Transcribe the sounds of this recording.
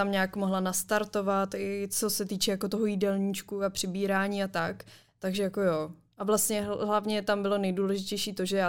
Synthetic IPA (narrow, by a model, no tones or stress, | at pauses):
t̪amɲaːkmo̞ɦlanast̪aɾt̪o̞vat̪ɪt͡so̞sɛt̪iːt͡ʃɛjako̞t̪oɦojidɛlɲit͡ʃkuapr̝̥ɪbiːɾaːɲiːat̪ak | t̪aɡʒɛjako̞joː | ʔavlast̪ɲɛɦlavɲɛt̪ambɪlo̞nɛjduːlɛʒɪcɛjʃiːt̪o̞ʒɛjaː